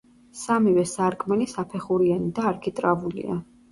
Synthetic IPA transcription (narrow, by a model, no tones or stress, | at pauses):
samivɛsaɾkʼmɛlisapʰɛχuɾianid̪aːɾkʰit̪ʼɾavulḭa̰